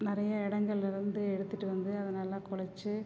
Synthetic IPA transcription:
nɪrɐjɐɪɽɐŋɡɐɭɪɾɯnd̪ɯɛɽɯt̪ːiʈːɯʋɐnd̪ɯɐðɐnaːlɐkʊɭɐt͡ʃːɯ

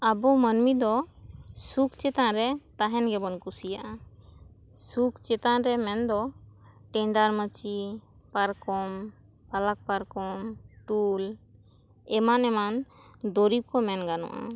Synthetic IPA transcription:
abɔmənmid̪ɔsukt͡ʃɛt̪aɾɛt̪aɦɛnɡɛbɔnkusija̰ʔa | sukt͡ʃɛt̪aɾɛmɛnd̪ɔʈɛɳɖaɾmət͡ʃi | paɾkɔm | palak̚paɾkɔmʈul | ɛmanɛmand̪ɔɾip̚kɔmɛnɡanɔ̰ʔa̰

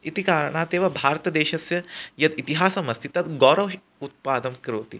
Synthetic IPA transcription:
it̪ikaːɾɳaːt̪eːʋɐbʱaːɾt̪ɐd̪eːʃɐsjɐjɐd̪it̪iɦaːsɐmɐst̪ʰit̪ɐt̪ɡɔːɾɐʋɦ | ut̪̚paːd̪ɐmkɾoːt̪ḭ

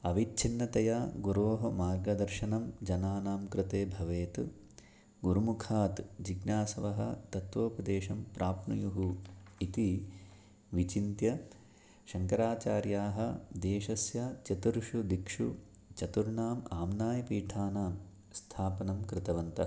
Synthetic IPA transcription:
ɐʋit̪ːt͡ʃʰinːɐt̪ɐjaːɡuɾoːɦɐmaːɾɡɐd̪ɐɾʃɐnɐmd͡ʒɐnaːnaːmkɾɪt̪eːbʱɐʋeːt̪ | ɡuɾumukʰaːt̪d͡ʒiɡnaːsɐʋɐɦɐ̰t̪ɐt̪ʋoːpɐd̪eːʃɐmpɾʔaːpnujuɦuit̪i | ʋit͡ʃint̪jɐ | ʃɐŋkɐɾaːt͡ʃaːɾjaːɦɐd̪eːʃɐsjɐt͡ʃɐt̪uɾʂud̪ikʂṵ | t͡ʃɐt̪uɾɳaːmaːmnaːjɐpiːʈʰaːnaːm | st̪ʰaːpɐnɐmkɾɪt̪ɐʋɐnt̪ɐ

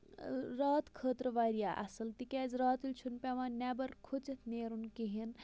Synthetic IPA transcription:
ɾaːt̪kʰəːt̪ɾʋaːɾijaːʔɐ̰sɨlt̪ikʲɛːzɾaːt̪ulʲt͡ʃʰunpʲɛʋãːnnɛːbɐɾkʰut͡sɐt̪ʰneːɾunkiɦin

